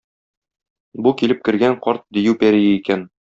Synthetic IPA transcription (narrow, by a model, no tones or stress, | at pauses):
bukilɘp̚kɘ̆ɾɡæɴqɒɾt̪̚d̪ɵ̆jʉwpæɾijɘikæn